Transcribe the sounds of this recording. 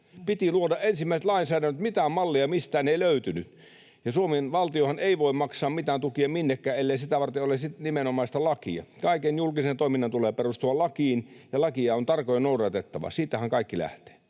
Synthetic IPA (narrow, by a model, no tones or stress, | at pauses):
pit̪iluodɑʔʔensimːæˑisĕt̪lɑinsæːdænːøt̪mit̪æmɑlːiɑmist̪æːneiløyt̪yny | jɑsuomenʋɑlt̪iohɑneˑiʋoˑimmɑksɑːmmit̪æːnt̪ukiɑminːekːæːelːeisit̪æʋɑrt̪eolesit̪nimenomɑˑist̪ɑlɑkḭɑ̰kɑˑikenjulkisent̪oˑiminːɑnt̪uleːperust̪uɑlɑkiːnjɑlɑkiɑont̪ɑrkojenouɾɑt̪et̪ːɑʋɑ̰siːt̪ːæhæŋkɑˑikːilæ̰ht̪e̥ː